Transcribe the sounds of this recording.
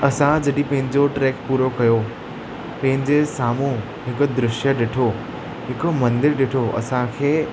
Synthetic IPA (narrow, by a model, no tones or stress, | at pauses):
ɐsãd͡ʑɐɗĩpɐ̃ɦɪ̃ɲd͡ʑoʈɾeːkpuːɾokɐjo | pɐ̃ɦɪ̃ɲd͡ʑesaːmu | ɦɪkʊ̆d̪ɾɪʃjəɗɪʈʰo | ɦɪkʊmɐ̃nd̪ɪɾɗɪʈʰoɐ̰sãkʰeː